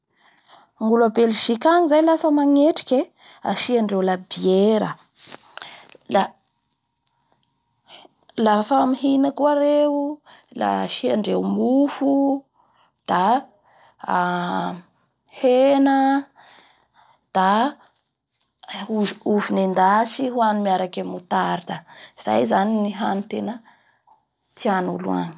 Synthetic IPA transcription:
ŋɡulabeliʃikaŋizajlafəmaŋeʈ͡ʂi̥kʲe | a̰ʃiaɳɖ͡ʐewlabieɾə̰ | la | lafamiɦinakwaɾewula̰ʃiaɳɖ͡ʐewmufu | d̪̥a | henə | d̪̥a | uuvinend̪asiɦwanumiaɾakemut̪aɾid̪aiz̥a̰jzaniniɦanit̪enə | t̪ʰianulua̰n

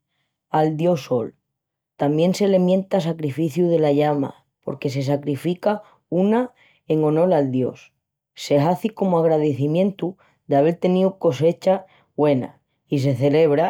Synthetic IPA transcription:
ald̪jo̞so̞l | t̪ambje̞nse̞le̞mjẽ̞nt̪as̬akɾifiθjuðe̞laʎama̰ | po̞ɾke̞se̞s̬akɾifika | una | e̞ŋo̞no̞lald̪jo̞̰s | se̞ɦaθiko̞moaɣɾaðe̞θimjẽ̞nt̪u | d̪eaβe̞ɾt̪e̞niuko̞se̞t͡ʃa | βwe̞na̰ | is̬e̞θe̞le̞β̞ɾa

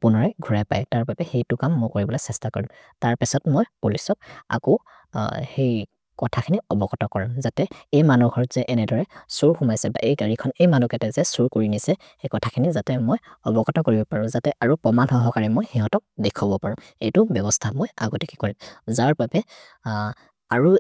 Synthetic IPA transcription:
pʊnɔɹaɡʱuɹajpa̰jtaɹpapɛxejtʊkamːɔjkoɹibɔlɔsɛstakoɹimtaɹpisɔtmojulisɔk̚a̰kɔ | hej | kɔtʰakʰiniɔbɔkɔtɔkɔɹimzatɛejmanuɡʱɔɹz̥ɛʔɛnɛdɔɹɛsuɹxumajsɛba̰ʔejɡəɹikʰɔnejmanukɛtɛzɛsuɹkoɹinisɛ | xejkɔtʰakʰinizatɛmojɔbɔkɔtɔkoɹibɔpaɹʊ̃zatɛʔaɹupɹɔmanhɔɦɔkaɹimojxiɦɔtɔk̚dekʰɔbɔpaɹɔ̃ | ejtʊbjɔbɔstʰamoja̰ɡɔtiki̥koɹimzaɹpapɛ | aɹu

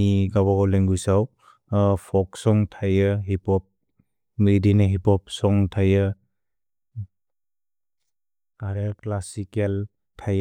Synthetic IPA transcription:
iɡabaɡɔleŋɡusaw | pʰɔksɔŋtʰajɯɦipɔp̚ | midineɦipɔp̚sɔŋtʰajɯ | aɾeklasikel | tʰaj

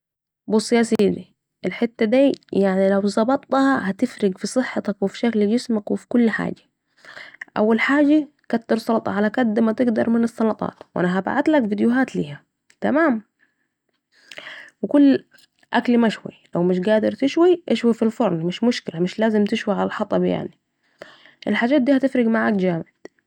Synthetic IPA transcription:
bʊsˤːɨjaːsɪjd̪i | ʔɪlħɪt̪ːad̪iːjaʕnilawzˤɑbɑt̪ˤːɑhɑhat̪ɪfɾɪɡfisˤɨħːɑt̪akwɪfi̥ʃakld͡ʒɪsmakwɪfi̥kʊlːħa̰ːd͡ʒḁ | ʔa̰wːalħaːd͡ʒa | kat̪ːɑɾsˤɑlt̪ˤɑ̰ʕalakad̪ːmat̪ɪɡd̪ɑɾˤmɪnɨsˤːɑlɑt̪ˤɑ̰ːt̪wʔa̰naɦaba̰ʕat̪lakvid̪jʊɦaːt̪lḭːha | t̪amaːm | wɪkʊlː | ʔaklmaʃwḭlawmɪʃ̬ɡaːd̪ɪɾˤt̪ɪʃwiʔaʃwafilfʊɾˤnmɪʃmʊʃkɪlamɪʃlaːzɪmt̪ɪʃwiʕalalħɑt̪ˤɑbja̰ʕni | ʔɪlħaːd͡ʒːaːt̪̚d̪iːhat̪ɪfɾɪɡmaʕaːkd͡ʒaːmɪd̪̥

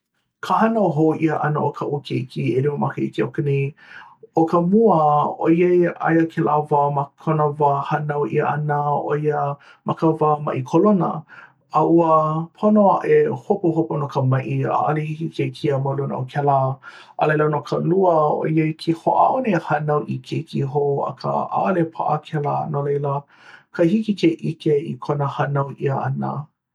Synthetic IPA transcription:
kʰəhɐnəoɦoʔiəʔɐnəʔokʰəʔukʰeʔikʰieliwəmakəikiokəne | okəmuəo̰iejʔa̰jəkʰelʔavamakʰonəvaːhɐnawʔḭəʔɐnəo̰iə | mʔɐkəvaːmɐ̰ʔikʰolonə̰ | ɐʔuəpʰonoaʔehopuɦoponokəmɐʔia̰ʔalehikikekʰiəmɐlunʔo̰kʰɛlaʔə̰lejlənokʰəluəo̰iəkʰiho̰ʔa̰ʔonehɐnɐwʔikʰekiɦoɐ̰kʰə̰a̰ʔlepʰa̰ʔəkʰɛlanolejlə | kʰəhikikeʔikeikʰonəhɐnɐwʔiəɐnə̰

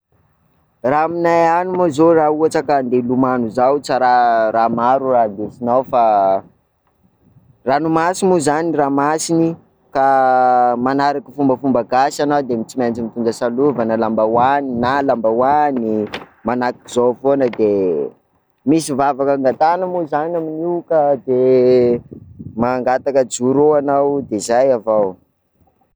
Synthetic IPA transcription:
raminajanumazorauaʈ͡ʂəkand̪elumanuzawt͡saɾaɾamaɾurad̪esinawfa | ranumasimuzaniraːmasini | ka | manaɾaki̥fumbəfumbəɡasanawd̪emit͡simant͡simit̪und͡ʒəsaluvanəlambawaninalambawanimanakiizofonəd̪e | misivavakaŋɡat̪anəmuzanaminiwkəd̪e | maŋɡat̪akəd͡zuɾuanawd̪ezajavaw

